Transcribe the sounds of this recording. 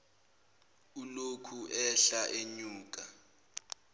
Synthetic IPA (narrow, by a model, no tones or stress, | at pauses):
ulokʰuʔɛɬaʔeɲuːk̬ʼa